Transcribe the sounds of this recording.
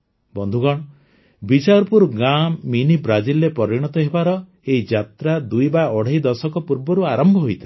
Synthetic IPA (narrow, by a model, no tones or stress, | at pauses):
bɔnd̪ʱuɡɔɽ̃ɔ | bit͡ʃaɾɔpuɾɡamːinibɾad͡ʒilːepɔɾiɽ̃ɔt̪ɔɦebaɾɔ | eid͡ʒat̪ɾad̪ujbaɔɽ̤ʱajd̪ɔsɔkɔpuɾbɔɾuaɾɔmbʱɔɦojt̪ʰi